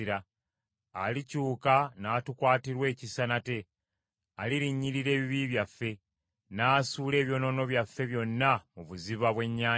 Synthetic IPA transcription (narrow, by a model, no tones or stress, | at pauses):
iɾaː | licuːkanaːtukwaːtiɾwe̞ːcisanate̞ | aliɾiɲːiɾiɾe̞ːβiβiβjafːe̞ | naːsuːle̞ːβjo̞no̞no̞βjafːe̞βjo̞nːamuβuziβaβwe̞ɲːaː